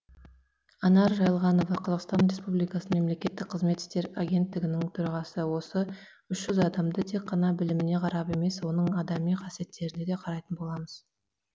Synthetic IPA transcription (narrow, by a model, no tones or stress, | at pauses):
ɑnɑɾʒɑjəlˠʁɑno̞vɑqʰɑzɑʁqst̪ɑnɾe̞spublijkɑsəme̞mle̞kʲe̞t̪ːɪk̚qʰəzme̞t̪ːɪ̥st̪e̞ɾaɡʲe̞nt̪ːɪɡʲɪnɪŋt̪ʰʊɾɑʁɑsəwo̞sə | ʏʃʒ̥ʏzɑd̪ɑmd̪ət̪ʰe̞kqːɑnɑbɪlɪmɪne̞qʰɑɾɑpe̞me̞swo̞nəɴɑd̪ɑmijqʰɑsije̞t̪ːe̞ɾɪne̞d̪e̞qʰɑɾɑjt̪ənbo̞lˠɑməz̥